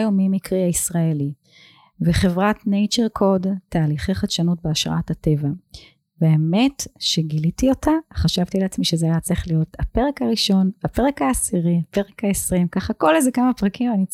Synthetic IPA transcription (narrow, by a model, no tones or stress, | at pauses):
jomimikʁiaisʁaeli | veχe̞vʁatnejt͡ʃeʁkʰo̞dtaːliχeχaʃanut̚beaʃʁa̰athate̞va | veaeme̞tʃeɡilitio̞taχaʃavtileat͡smiʃezeajat͡saiχlijo̞tape̞ʁe̞kaʁiʃo̞nape̞ʁe̞kaːsiʁiape̞ʁekaesʁimkaχako̞lezekamapʁakimani